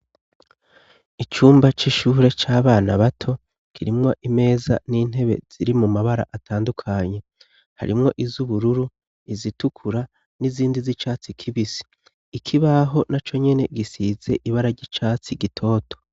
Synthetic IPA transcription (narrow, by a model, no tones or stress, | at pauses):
it͡ʃuːmbat͡ʃiʃuːɾe̞t͡ʃaːβaːnaβatʰo̞ | kʰiɾimŋo̞ʔime̞ːza̰niːn̥e̞βe̞̰z̥iɾimumaβaɾa̰ʔatʰaːndukʰaɲe̞ | ha̰ɾimŋo̞ʔizuβuɾuɾu | izitukʰuɾa | niziːndizit͡ʃaːt͡sikʰiβisi̥ː | kʰiβaɦo̞nat͡ʃo̞ɲe̞ne̞ɡisize̞ʔiβaɾaɟit͡ʃaːt͡siɡitʰo̞ːtʰo̞̥